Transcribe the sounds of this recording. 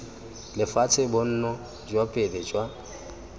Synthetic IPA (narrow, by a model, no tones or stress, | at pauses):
lɪfat͡sʰɪbʊn̩ːnɔ | d͡ʒwapʼelɛd͡ʒwa